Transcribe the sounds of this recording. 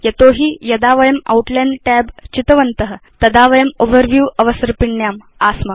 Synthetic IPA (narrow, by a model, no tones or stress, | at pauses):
jɐt̪oɦiːjɐd̪aʋɐjɐma̰wuʈlenʈæbt͡ɕit̪əʋɐnt̪əɦət̪ɐd̪aʋɐjəmoʋəɾʋjuːɐʋəsəɾpiɳjam | asmɐ